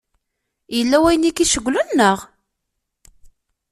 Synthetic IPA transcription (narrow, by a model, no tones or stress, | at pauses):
jəlːæwæjənikiʃəɡʷːlunːəʁ